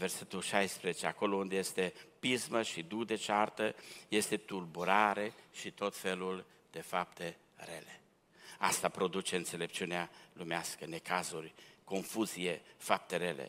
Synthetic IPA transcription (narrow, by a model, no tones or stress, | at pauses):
ve̞rse̞t̪ulʃajspɾezet͡ʃeako̞lound̪eje̞st̪e̞pizməʃid̪ud̪e̞t͡ʃart̪əje̞st̪e̞t̪ulbuɾaɾe̞ʃit̪o̞t̪fe̞lul | d̪̥e̞fap̚t̪e̞ | re̞̰le̞ | ast̪apɾo̞d̪ut͡ʃe̞ɨnt̪se̞le̞p̚t͡ʃiunealumeaskəne̞kazurʲko̞nfuzijefap̚t̪e̞ɾe̞lḛ